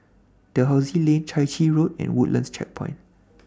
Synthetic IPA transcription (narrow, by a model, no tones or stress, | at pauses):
d̥əɦaʊzilẽnt͡ʃʰaɪt͡ʃiɹot̚ɛ̰̃nwuʔlʔə̰̃nst͡ʃɛ̰k̚pʰɔ̰̃ɪ̃n